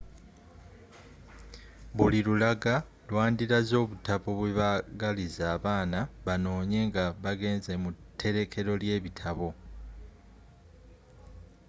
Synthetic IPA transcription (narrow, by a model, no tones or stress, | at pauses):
βulilulaɡa | lwaːndiɾazo̞ːβutaβo̞βweβaɡalizaːβaːnaβano̞ːɲe̞ŋɡaβaɡe̞ːnze̞mutʰːe̞ɾe̞kʰe̞ɾo̞lje̞ːβitʰaβo̞